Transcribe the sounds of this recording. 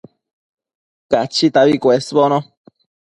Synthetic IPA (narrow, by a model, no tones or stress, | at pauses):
kat͡ʃit̪aβikwesbono